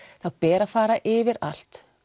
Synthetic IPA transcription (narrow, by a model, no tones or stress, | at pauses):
θawpɛːɾafaːɾaʔɪvɪɾa̰l̥t̪